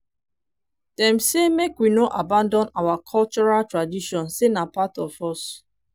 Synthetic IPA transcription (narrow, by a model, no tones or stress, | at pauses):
d̥ɛ̃msemekwinoʔabãndɔ̃nawakʰɔlt͡ʃɔɹaltɹadiʃɔ̃nsenapatɔfɔs